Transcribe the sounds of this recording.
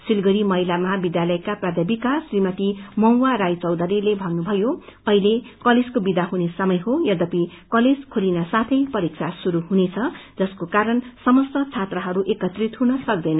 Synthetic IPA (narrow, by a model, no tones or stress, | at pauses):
silɡʌɾimʌɦilamʌɦabid̪jalʌjkaprad̪ʱebikasrimʌt̪imʌw̃waɾajt͡sʌwd̪ʌɾilebʱʌnnːubʱʌjoʌɦilekʌled͡zkobid̪aɦunesʌmʌjɦojʌd̪ʱʌpi | kʌled͡zkʰolinʌsat̪ʰʌjpʌɾik̚t͡sʰasuɾuɦunet͡sʰʌd͡zʌskokaɾʌnsʌmʌst̪ʌt͡sʰat̪rʌɦʌɾuʔekʌt̪rit̪ɦunʌsʌk̚d̪ʌjnʌ